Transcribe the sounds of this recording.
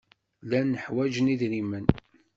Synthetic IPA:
lænːəħwæd͡ʒəniðɾimən

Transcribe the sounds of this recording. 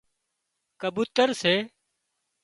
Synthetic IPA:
kəbuːt̪əɾseː

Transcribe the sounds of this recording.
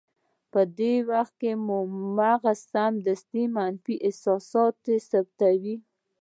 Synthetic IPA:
pəd̪ewaxt̪̚kemumaɣasamd̪ast̪imanfiʔɪsɑsɑt̪esab̚t̪awi

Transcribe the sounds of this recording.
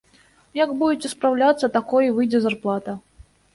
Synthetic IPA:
jaɡbud͡zʲɪt͡sʲɛspɾawlʲat̪sːɐt̪akɔjivɨjd͡zʲɛzarplˠat̪ɐ

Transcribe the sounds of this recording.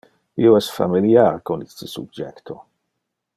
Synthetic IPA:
ioɛsfa̰miljarkonist̪əsṵd͡ʒɛkt̪ʰo

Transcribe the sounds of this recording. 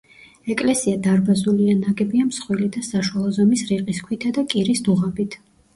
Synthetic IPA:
ɛkʼlɛsiad̪aɾbazulianaɡɛbiamsχwilid̪asaʃwalˠɔzɔmisɾiɾqʼiskʰwit̪ʰad̪akʼiɾisd̪uʁabit̪ʰ

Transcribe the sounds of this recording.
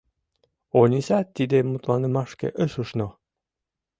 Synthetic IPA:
onʲisɑt̪ːid̪emut̪lˠɑnəmɑʃkḛʔəʃuʃno

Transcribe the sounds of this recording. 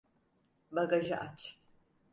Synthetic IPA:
baɡaʒaʔat͡ʃʰ

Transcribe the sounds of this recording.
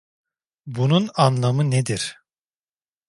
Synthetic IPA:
bununanlˠamɯned̪iɾ̥

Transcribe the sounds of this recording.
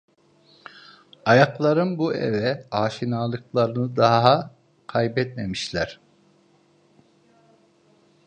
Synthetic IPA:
ajaklˠaɾɯnbuḛvɛaːʃinaːlˠɯklˠaɾɯnɯd̪aɦa | kʰajbɛt̪memiʃlʲæɾ̥

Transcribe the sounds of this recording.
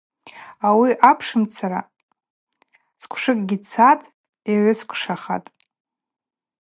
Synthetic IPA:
awiʔapʰʂɨmt͡sʰaɾa̰ | skʷʰʂɨkʼɡʲit͡sʰatʼ | jaʕʷʊskʷʰʂaχa̰tʼ

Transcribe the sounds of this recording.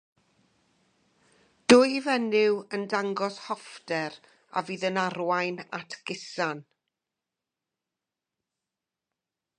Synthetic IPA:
d̥ʊːjivɛnɪwəndaŋɡɔshɔfdɛɾ | a̰viːðənarwajnatʰɡ̥ɪsan

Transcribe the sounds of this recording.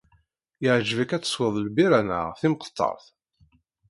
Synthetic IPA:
jɪʕʒvikæt͡sːə̥swəðˤlbiɾænə̰ʁθimqə̥t̪ˤːɑ̰ɾˤθ

